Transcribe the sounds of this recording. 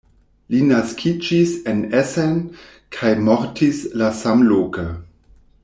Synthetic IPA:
linaskʰid͡ʒisenesen | kʰajmoɾtʰislasamloːkə

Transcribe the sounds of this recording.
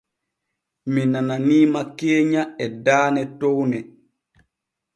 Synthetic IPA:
minananiːmakeːɲaɛdaːnɛtɔwnɛ

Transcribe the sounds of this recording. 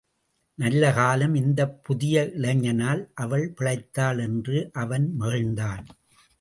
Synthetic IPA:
nɐlːɐkaːlɐmɪnd̪ɐpːʊðɪjɐʔɪɭɐɲːɐnaːlʔɐʋɐɭpɪɭɐɪt̪ːaːlɛndrɯʔɐʋɐnmeːɻnd̪aːn

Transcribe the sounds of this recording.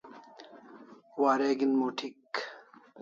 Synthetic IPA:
waːɾeːɡinmoːʈʰik

